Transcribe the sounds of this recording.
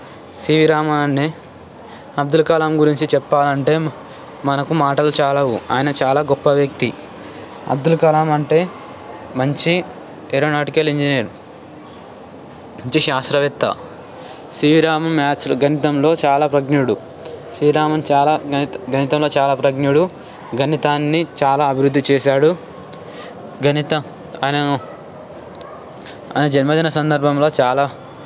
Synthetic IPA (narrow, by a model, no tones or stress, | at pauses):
siːʋiɾaːmɐnnːeː | ɐb̚d̪ulkɐlaːmɡuɾiɲt͡ʃit͡ʃɛpːaːlɐɳʈe̞ː | mɐnɐkumaːʈɐlut͡ʃaːlɐʋua̰ːjɐnɐt͡ʃaːlaːɡɔpːɐʋjɐk̚t̪i | ɐ̰b̚d̪ulkɐlaːmɐɳʈe̞ː | mɐɲt͡ʃi | eɾoːnaːʈikɐliɲd͡ʒineːɾu | ɐɲt͡ʃiʃaːsɾɐʋit̪ːɐ̰ | sɾiːʋɾaːmɐmaːt͡ʃlɡʱɐnit̪ɐmlo̞ːt͡ʃaːlaːpɾɐɡnuɽu | sɾiːɾaːmɐmt͡ʃaːlaɐɡɐnit̪ɐmlo̞ːt͡ʃaːlaːpɾɐɡnuɽu | ɡʱɐnit̪aːnːit͡ʃaːlaːɐbʱiɾud̪ːit͡ʃɛːʃaːɽu | ɡʱɐnit̪ɐ | ɐnɐ | ɐ̰nɐd͡ʒɐnmɐd̪ɐnɐsɐnd̪ɐɾbʱɐmlo̞ːt͡ʃaːlaː